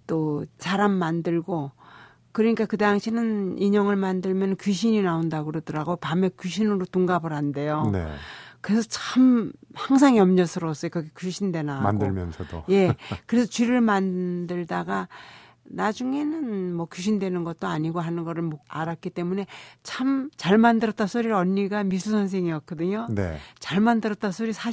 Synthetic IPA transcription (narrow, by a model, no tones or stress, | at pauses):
t͈ot͡ɕaɾamːandɯɭɡo | kɯɾʌɲik͈akɯdaŋɕʰinɯniɲʌŋɯɭmandɯɭmjʌnkjuɕʰiɲinaondaɡɯɾʌdʌɾaɡopamekjuɕʰinɯɾotuŋɡabɯɾɦande̞jonḛkɯɾe̞sʰʌt͡ɕʰamhaŋsʰaŋiʌmɲʌsʰɯɾʌs͈ʌjokʌɡekjuɕʰindwe̞nama̰ndɯmjʌ̰nsʰʌdo̰je̞kɯɾe̞sʰʌt͡ɕiɾɯɭmandɯɭdaɡa | nad͡ʑuŋe̞nɯnmwʌkjuɕ̬ʰindwe̞nɯnɡʌt̚t͈oaɲiɡoɦanɯnɡʌɾɯɭmoaɾat̚k͈it͈e̞mune̞t͡ɕʰamt͡ɕaɭmandɯɾʌt͈asʰoɾiɾʌɲːiɡamis̬ʰusʰʌns̬ʰe̞ŋijʌk̚k͈ʌdɯɲonḛt͡ɕaɭmandɯɾʌt͈asʰoɾisʰa